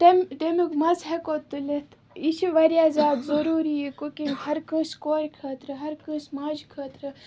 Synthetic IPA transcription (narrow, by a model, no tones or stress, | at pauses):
ʈemʈemikmɐzɦekot̪ːɨlet̪ʰ | it͡ʃʰiʋɐɾʲjaːzaːd̪zɐɾuːɾiekokinhɐɾkə̃ːskoːɾʲkʰɐt̪ɾɨɦɐɾkə̃ːsmaːd͡ʒkʰɐːt̪ɾɨ